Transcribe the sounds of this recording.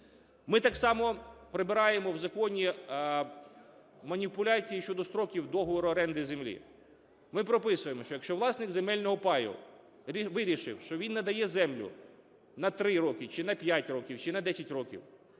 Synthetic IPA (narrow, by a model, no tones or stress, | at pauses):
mɪt̪ɑksɑmɔpɾebɪɾɑjemɔwzɐkɔnʲi | mɐnʲipʊlʲat͡sʲijiʃt͡ʃɔd̪ɔst̪ɾɔkʲiwd̪ɔɦɔʋɔɾʊɔɾɛnd̪ɪzemlʲḭ | mɪpɾɔpɪsʊjemɔʃt͡ʃɔjɐkʃt͡ʃɔʋlˠɑsnɪkzemɛlʲnɔɦɔpɑjʊ̰ | iʋɪɾʲiʃɪ̰wʃt͡ʃɔʋʲinːɐd̪ɐjɛzɛmlʲʊ̰ | nɐt̪ɾɪɾɔkɪt͡ʃɪnɐpʲjatʲrɔkʲiwt͡ʃɪnɐd̪ɛsʲɐtʲɾɔkʲḭw